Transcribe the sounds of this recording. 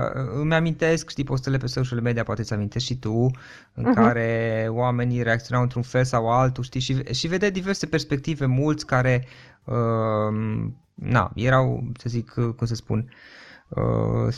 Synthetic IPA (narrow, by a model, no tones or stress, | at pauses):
ɨmeamint̪e̞skʃt̪ipo̞s̬t̪elelepeseuʃeleme̞d̪ijapoat̪e̞amint̪e̞skʃit̪u | ɨ̰ŋkaɾe̞owame̞niɾeakt̪io̞nawɨnt̪ɾunfe̞lsawalt̪uʃt̪iʃivʃive̞d̪ed̪ive̞rse̞pe̞rspe̞k̚t̪ive̞mult̪sʲkaɾe̞ | ə | na̰jeɾawsəzikʰkums̬əspṵn | ə̰